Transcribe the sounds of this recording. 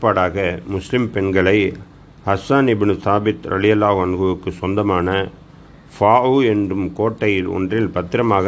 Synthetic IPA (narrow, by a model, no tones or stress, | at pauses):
pːaːɽaːɣɐmʊslɪmpɛnɡɐɭɐɪ | hɐsɐnɪbnut̪aːbɪt̪ɾɐ̰lɪjɐlːaːɣɐnɣɯʋɯkːɯsɔnd̪ɐmaːnɐ | faːuɛndrɯmkoːʈːɐjɪlɔ̰ndrɪlpɐt̪ːɪɾɐmaːɣɐ